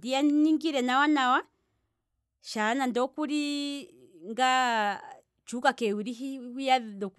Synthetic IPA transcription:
dianiŋɡiɾɛnawanawa | ʃanandɔkuɾi | ŋɡa | t͡ʃukakɛwuɾiɦiujadɔk

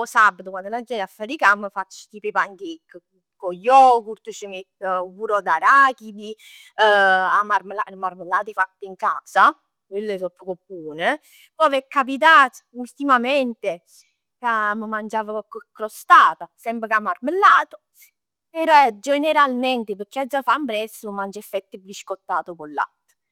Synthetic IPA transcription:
ɔsabːat̪ukwand̪olad͡ʒːɛɾafːaɾikamːəfat͡ʃːi̥t̪ipepaŋɡikː | kojɔkuɾt̪ut͡ʃəmi | puɾɔd̪aɾaːkid̪i | amaɾmelamaɾmelːaːt̪ifat̪ːiŋkaːsa | kwelːesɔpːəkopːuːne | pɔvɛkːap̬it̪̬aːt̪ult̪imament̪e | kaməmand͡ʒaːvaɔkːokːɾost̪aːt̪asɛmpɾɪkamːarmelːaːt̪o | peɾɔɛd͡ʒeneɾalmɛnt̪epəɾkːead͡ʒːafambɾɛsːumand͡ʒɛfːɛt̪ːɪbɾiʃkot̪ːaːt̪okolːa̰t̪ː

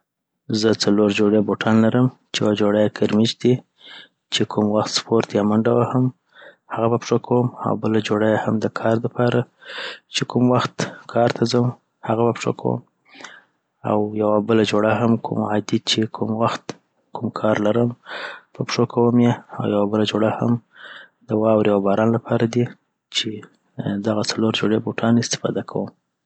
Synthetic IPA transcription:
zət͡saloɾd͡ʒoɽjaboʈʰɑnlaɾəmt͡ʃejawad͡ʒoɽajakʰaɾmit͡ʃd̪i | t͡ʃekʰumwaxt̪spoɾt̪jɑmaɳɖawaham | haɣabapʂokʰawəma̰wbəlad͡ʒoɽajahamd̪əkʰɑɾd̪əpɑɾat͡ʃekumwaxt̪kʰɑɾt̪ʰazəm | haɣabapʂo̰kʰa̰wə̰m | a̰wjawabəlad͡ʒoɽaɦamkʰṵmad̪it͡ʃekʰumwaxt̪ | kʰumkʰɑɾlaɾəmbəpʂokʰawəmjeawjawabəlad͡ʒoɽaha̰m | d̪əwɑwɾewabɑɾɑnlapʰɑɾad̪i | t͡ʃe | d̪aɣat͡saloɾd͡ʒoɽeboʈʰɑnɪst̪ɪ̥fɑ̰d̪akʰa̰wəm

